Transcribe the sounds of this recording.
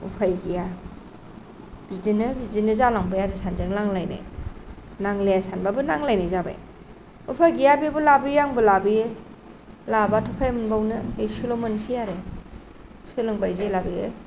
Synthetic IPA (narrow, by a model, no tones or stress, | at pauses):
ṵpʰajɡija | bidinɯbizinɯzalaŋbɯjaɾesanzɯŋlaŋlajna̰j | naŋlejasanbabɯnaŋlajnajzaba̰j | upʰajɡijabibɯlabiaŋbɯlabi | labatʰɔpʰajmɯnbawnɯesilomɯnsʰijaɾe | sɯlɯŋbajzelabiḛ